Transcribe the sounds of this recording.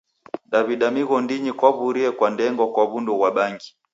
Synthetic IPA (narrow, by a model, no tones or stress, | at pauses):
ɗaβiɗamiɣɔndiɲikwaβuɾiɛkwandɛŋɡɔkwaβundɔɣwaɓaŋɡi